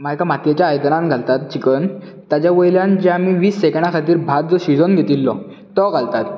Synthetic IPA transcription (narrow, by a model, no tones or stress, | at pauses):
majkamat̪jet͡ɕjaːjd̪nãnɡʱalt̪at̪̚t͡ɕikən | t̪jat͡ɕjaʋəjljand͡ʑeamiʋiːsːekɳakʰat̪iːɾbʱat̪̚d͡zɔɕid͡zonɡʱet̪ilːɔ | t̪ɔɡʱalt̪at̪